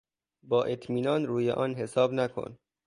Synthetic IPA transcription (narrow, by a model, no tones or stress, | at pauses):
bɒːʔet̪ʰmiːnɒːnɾuːjḛʔɒːnɦesɒːbnækʰo̰n